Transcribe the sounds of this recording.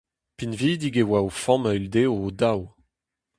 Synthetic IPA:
pinviːd̪iɡewaofɔ̃mayld̪eoːd̪aw

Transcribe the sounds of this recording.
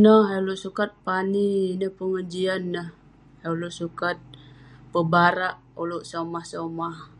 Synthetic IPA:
nəhaluʔsukat̪̚paniːnəhpəŋəd͡ʒianːəh | auluʔsukat̪̚pəbaɾaʔuluʔsamahsamah

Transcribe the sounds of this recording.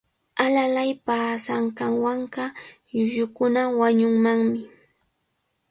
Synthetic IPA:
alalajpaːsaɴkaŋwaɴɢɑ | jʊjʊkʊnawaɲʊŋmaŋmɪ

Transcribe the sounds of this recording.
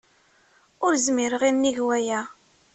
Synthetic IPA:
ʊɾzmiɾəʁinnːiʝwæjæ

